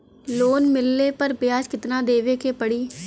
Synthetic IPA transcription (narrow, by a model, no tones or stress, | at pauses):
loːnmɪlːeːpəɾpjaːd͡ʒkɪt̪nãːd̪eːʋeːkeːpəɽiː